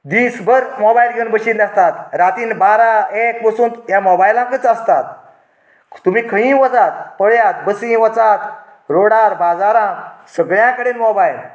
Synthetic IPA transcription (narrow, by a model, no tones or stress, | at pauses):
d̪iːsbəɾmɔbajlɡənbəɕiːnd̪ak̚t̪at̪ɾat̪iːnbaɾaek̚pəsuːnjamɔbajlãkət͡səst̪at̪̚ | t̪umiːkʰəɦĩʋɔt͡sat̪pəɭjat̪̚bəsĩʋɔt͡sat̪ | ɾoɽaɾbad͡zaɾãsəɡɭjãkəɽenmɔbajl